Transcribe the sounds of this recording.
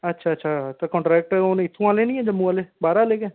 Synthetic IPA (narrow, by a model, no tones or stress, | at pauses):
ətːʃʰaːətːʃʰaːt̪ekɔ̃ːɳʈɾɛːk̚ʈoːneɪt̪ʰːũãːlẽːnĩːɛ̃ːd͡ʒəmːũːãleːbaːɾaːleːkẽː